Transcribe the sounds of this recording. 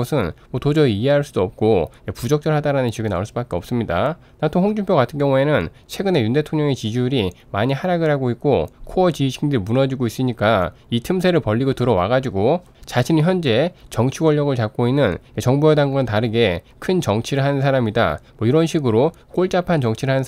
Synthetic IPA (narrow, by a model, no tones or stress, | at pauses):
ʌsʰɯnmʌtod͡ʑʌieɦaɭs͈udoʌp̚k͈o | epud͡ʑʌk̚t͡ɕ͈ʌɭɦadaɾanɯnt͡ɕiɡɯna̰uɭs͈uɯbak͈e̞ʌp̚s͈ɯmɲida̰ | natʰohoŋd͡ʑumpʰjoɡatʰɯnɡjʌŋue̞nɯn | t͡ɕʰwe̞ɡɯne̞junde̞tʰoŋɲʌŋe̞t͡ɕid͡ʑuɾimaɲiɦaɾaɡɯɭɦaɡoik͈̚okʰoʌt͡ɕiɕʰiŋdɯmunʌd͡ʑiɡois͈ɯɲik͈a | itʰɯmsʰe̞ɾɯɭpʌʎːiɡotɯɾʌwa̰ɡad͡ʑiɡo | t͡ɕaɕʰiniçjʌnd͡ʑe̞t͡ɕʌŋt͡ɕʰiwʌɭːʌɡɯɭt͡ɕak̚k͈oinːɯnet͡ɕʌŋbuɦedanɡonɯntaɾɯɡe̞kʰɯnt͡ɕʌŋt͡ɕʰiɾɯɭɦanɯnsʰaɾamida̰mwʌiɾʌnɕʰiɡɯɾo | k͈oɭt͡ɕ͈apʰant͡ɕʌŋt͡ɕʰiɾɯɭɦanɯn